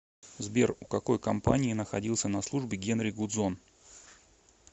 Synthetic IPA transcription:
zbʲerʊkɐko̞jkɐmpanʲɪːnəxɐdʲilˠsʲənɐslˠuʐbʲɪɡʲe̞nɾʲɪɡʊd̪zo̞n

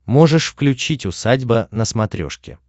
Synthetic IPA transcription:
mo̞ʐɨʂfklʲʉt͡ɕitʲʊsadʲbənəsmɐt̪ɾʲo̞̰ʂkʲɪ̰

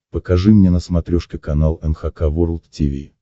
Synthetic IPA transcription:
pəkɐʐɨmnʲenəsmɐt̪ɾʲɔʂkʲɪkɐnalˠɛnxakavoɾlˠt̪tʲivʲḭ

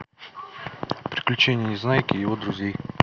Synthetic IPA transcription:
pɾʲɪ̥klʲʉt͡ɕenʲɪjənʲɪznajɪkʲɪjɪvo̞d̪ɾʊzʲej

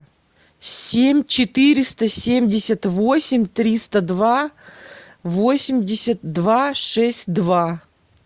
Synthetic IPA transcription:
sʲemʲt͡ɕɪt̪ɨɾʲɪst̪əsʲemʲdʲɪsʲət̪vo̞sʲɪmʲt̪ɾʲist̪əd̪va | vo̞sʲɪmʲdʲɪsʲət̪d̪vaʂɛsʲt̚ʲd̪va

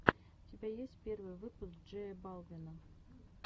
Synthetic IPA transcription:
ʊtʲɪbʲajesʲtʲpʲe̞rvɨjvɨpʊsɡdʐɛjəbalˠvʲɪnə

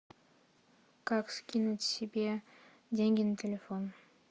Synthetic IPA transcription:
kakskʲinut̪sʲibʲe | d̪ʲeŋɡʲintʲʰelʲefon

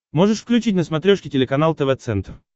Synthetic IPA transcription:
moʐɨʂfklʲʉt͡ɕit̬̚ʲnəsmɐt̪ɾʲoʂkʲɪtʲɪlʲɪkɐnalˠt̪əvɛt̪sɛnt̪r

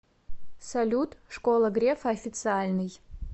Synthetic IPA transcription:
sɐlʲut̪ʰʼʂkʷʼolˠɐɡrʲefɐːfʲitt͡sɨalʲnɨj

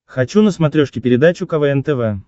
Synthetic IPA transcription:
xɐt͡ɕunəsmɐt̪ɾʲoʂkʲɪpʲɪɾʲɪd̪at͡ɕʊkɐvɛɛnt̪ɛvɛ

